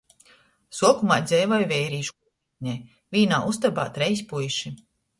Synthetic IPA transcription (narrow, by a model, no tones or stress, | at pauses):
suɔkumaːjd̪zɛjvɔjvɛjɾiːʃu | ɲaj | vʲiːnaːʔust̪aba̰ːt̪ɾɛjspujʃi